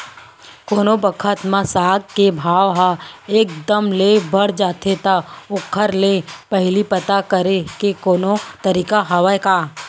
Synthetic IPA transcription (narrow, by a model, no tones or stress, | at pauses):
koːnobəkʰət̪mãsaːɡ̚kebʱaːʋɦaeːk̚d̪əmlebəɽd͡ʒaːt̪ʰet̪aʊkʰːəɾlepəɦlipət̪akəɾekekoːnot̪əɾiːkaɦaʋajkaː